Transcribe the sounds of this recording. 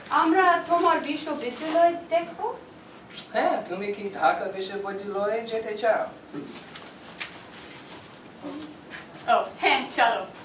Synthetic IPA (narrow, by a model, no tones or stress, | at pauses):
amɾat̪omaɾbiʃobed͡ʒ̪iloed̪ɛkʰo | hɛ̃t̪umikid̪ʱakabiʃebod̪iloed͡ʒeʈʰet͡ɕʰao | o | ohɛ̃t͡ɕʰalo